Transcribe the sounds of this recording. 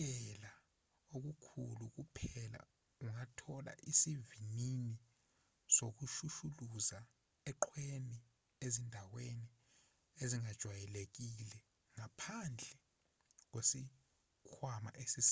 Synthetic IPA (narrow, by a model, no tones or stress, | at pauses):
ɛla | ok̬ukʰuluk̬upʰɛla̰ | uŋatʰɔla̰ʔisivinini | sok̬uʃuʃuluza | ɛǃʰweni | ezindʱaweni | eziŋad̥ʒ̥ʱwajɛlek̬ilɛ | ŋapʰand͡ɮʱɛ | k̬wesi | kʰwama̰ʔesis